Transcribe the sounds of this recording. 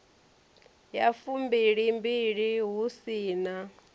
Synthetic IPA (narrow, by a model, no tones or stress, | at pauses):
jafumbiɺimbiɺiɦusiːna